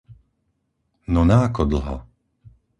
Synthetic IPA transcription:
nɔnaːkɔd̪l̩ɦa̰

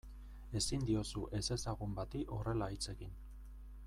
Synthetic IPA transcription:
e̞sind̪io̞suʔe̞se̞saɣumbat̪iʔo̞re̞lait͡se̞kin

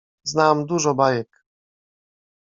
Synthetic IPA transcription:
znamd̪uʐɔbajɛk

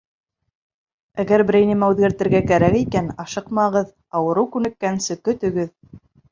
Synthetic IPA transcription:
æɡæɾbɘ̆ɾæ̆jnɘ̆mæʉðɡæɾt̪ɘ̆ɾɡækæɾækikænɑʃɤqmɑʁɤð | ɑwɤ̆ɾɤwkʉnɘ̆kːænsɘkɵ̆t̪ɵ̆ɡɘð

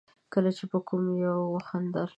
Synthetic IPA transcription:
kəlat͡ʃepəkʰumjawxand̪ɑɾ

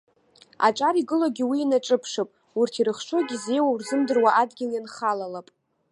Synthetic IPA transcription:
a̰ʈ͡ʂʼaɾiɡɨloɡʲiwiːnaʈ͡ʂʼɨpʰʂɨpʼ | urtʰiɾɨχʂʰo̞ɡʲize̞jwaurzɨmdɨrwaʔadɡʲɪljanχalalapʼ

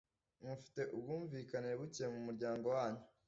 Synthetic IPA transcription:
mufi̥te̞ʔubɡuːɱviːkaniɾeβucemumuɾɟaːŋɡo̞waːɲu

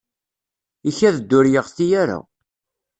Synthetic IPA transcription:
içæðəd̪ːʊɾjəʁθijæɾa̰

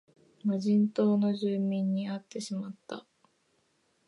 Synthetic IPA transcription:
maʑĩnt̪o̞ːno̞ʑɨːmʲĩɲ̟ːiat̪ːe̞ɕimat̪ːa

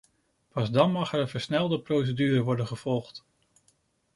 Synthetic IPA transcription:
pɑzdɑnmɑχɛɾənvəɹsnɛlˠdəprows̬ədyːɾəʋɔɹdənχəv̥ɔlˠχt

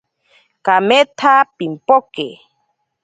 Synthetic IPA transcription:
kamɛt̪ʰapim̩pɔkḛ

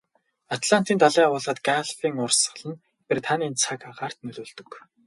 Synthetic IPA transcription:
at̪ʰɮan̥t̪iːnt̪ʰaɮiːʊːɮaːt̪ɡaɮfiːŋʊrsə̆ɮə̆n | pert̪ʰaniːnt͡sʰakaʁaːr̥t̪nɵɮoːɮt̪ɵ̆k

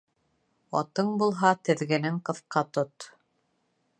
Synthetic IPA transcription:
ɒ̰t̪ɤɴbulˠɦɑt̪ɘ̆ðɡɘ̆nɘŋqɤ̆θqɑt̪ot̪

